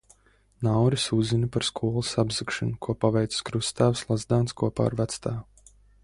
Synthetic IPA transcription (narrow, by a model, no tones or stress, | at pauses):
nawɾisuzinipaɾskʰuɔlˠasabzɨkʃɨnukuɔpavɛjt̪sskɾust̪aːvslˠazd̪aːnskuɔpa̰ːɾvæt̪st̪aː